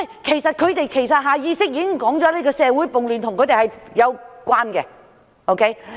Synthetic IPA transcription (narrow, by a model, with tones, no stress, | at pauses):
ɛ˧˨˩kʰe˨˩jsɐ˨t̚kʰɵ˨˧ɥt̪e˨jkʰe˨˩jsɐ˨t̚ɦaː˨˧jiː˧sɪ˥k̚jiː˧˥kɪ˥ŋkɔː˨˥ŋt͡ʃɔ˨˥leː˥kɔː˧sɛː˨˧wuː˨˥jpʊ˨ŋlyː˨nt̪ʰʊ˨˩ŋkɵ˨˧t̪e˨jhɐ˨jjɐ˨˧wkʷaː˥nkɛ̰˧ | ʔo˥wkʰe˦˥j